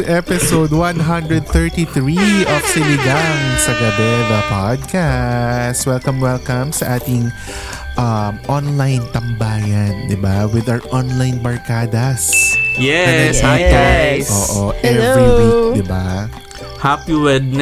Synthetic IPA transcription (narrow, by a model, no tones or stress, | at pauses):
ʔɛpɪsowd̪wɐ̃nɦɐ̃nd̪ɹɛd̪̚θɛɹt̪iθɹiʔɔfsɪlɪɡ̪ɐŋsɐɡɐbɛd̪ɐpad̪̚kast̪wɛlkɐ̃mwɛlkɐmsɐʔaːt̪ɪŋ | ʔɐmʔɔnlajnt̪ɐmbaːjɐnd̪ɪbawɪd̪awʔɔnlajnbɐɹkaːd̪ɐsjɛɛsit̪ɛʔoːʔoʔɛvoɹid̪ɪba̰ | hapiwɛd̪̚